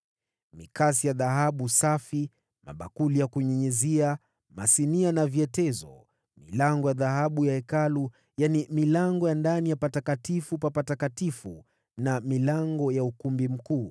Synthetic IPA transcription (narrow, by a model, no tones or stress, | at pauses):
mḭkas̬ijaðaɦaɓusafi | ma̰ɓakulijakuɲɛɲɛzia | masinianaviɛtɛzɔ | milaŋɡɔjaðahaɓujaɛkalu | janimilaŋɡɔjandanijapatakatifupapatakatifu | namilaŋɡɔjaukumbim̩kuː